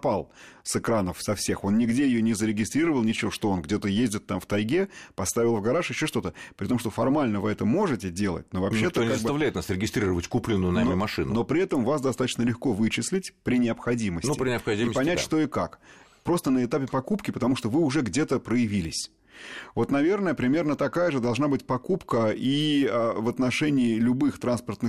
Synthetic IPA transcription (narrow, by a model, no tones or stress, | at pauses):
palˠsɨkɾanəfsɐfsʲe̞xo̞nnʲɪɡdʲejɪjonʲɪzəɾʲɪɡʲɪst̪ɾʲiɾəvəlˠnʲɪt͡ɕɪvoʂt̪oonɡdʲe̞t̪əjezʲdʲɪt̪ːamft̪ɐjɡʲepɐst̪avʲɪlˠvɡɐɾaʂjɪɕːo̞ʂt̪o̞t̪əpɾʲɪt̪o̞mʂt̪ofɐrmalʲnəvɨɛt̪əmo̞ʐɨtʲɪdʲe̞lˠə̰t̚ʲno̞vɐpɕeɛt̪əonʲɪkazəs̚bt̪ɐvlʲæjɪt̪nasɾʲɪɡʲɪst̪ɾʲiɾəvətʲkuplʲɪnːʊjʊnamʲɪmɐʂɨnʊno̞pɾʲɪɛt̪əmvasd̪ɐst̪at̪ə̥t͡ɕnəlʲɪxko̞vɨt͡ɕɪsʲlʲɪtʲpɾʲɪnʲɪɐpxɐdʲiməsʲnʲt̪nuɪpɾʲɪnʲɪɐxɐdʲimpɐnʲætʲʂt̪o̞ɪkakpɾo̞st̪ənəɪt̪apʲɪpɐkupkʲɪpət̪ɐmuʂt̪o̞vɨʊʐɛɡdʲe̞t̪əpɾəjɪvʲilʲɪsʲ | vo̞t̪nɐvʲe̞rnəjəpɾʲɪmʲe̞rnət̪ɐkajəʐɨd̪ɐlˠʐnabɨtʲpɐkupkəiəvət̪nɐʂɛnʲɪːlʲʊbɨxt̪ɾanspərt̪nɨx